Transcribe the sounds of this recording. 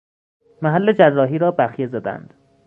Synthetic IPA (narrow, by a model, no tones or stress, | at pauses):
mæɦælːed͡ʒærːɒːɦiːɾɒːbæxjezæd̪æ̰nd̪̥